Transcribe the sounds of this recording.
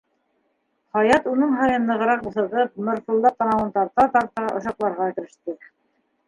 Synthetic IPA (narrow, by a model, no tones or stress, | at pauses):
χɑjɑt̪unɤɴɦɑjɤ̆nːɤ̆ʁɤ̆ɾɑq̚bŭθɤ̆ʁɤp̚mŏɾfulˠd̪ɑt̪ɑnɑwɤnt̪ɑɾt̪ɑt̪ɑɾt̪ɑʔŏ̰ʃɑqlˠɑɾʁɑkɘ̆ɾɘ̆ʃt̪ɘ